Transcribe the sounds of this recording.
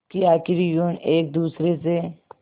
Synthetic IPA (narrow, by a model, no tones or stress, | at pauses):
kiaːkɪɾijuneːk̚d̪uːsɾese